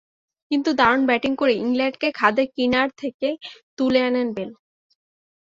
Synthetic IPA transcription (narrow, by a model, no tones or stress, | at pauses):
kint̪ud̪aɾonbɛʈiŋkoɾeiŋlɛɳɖkekʰad̪ekinaɾt̪ʰeket̪uleanenbel